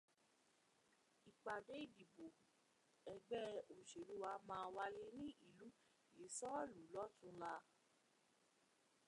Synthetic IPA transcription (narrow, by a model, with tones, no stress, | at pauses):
i˨k͡pa˨de˦i˦˨di˨bo˨ | ɛ˧ɡ͡bɛ˦o˨ʃe˨ɾu˦wa˨˧˦mãː˧wa˧le˧nĩ˦i˦˨lu˨˦ | je˨˦sɔ˦˨lu˨˦lɔ˦tũ˦la˧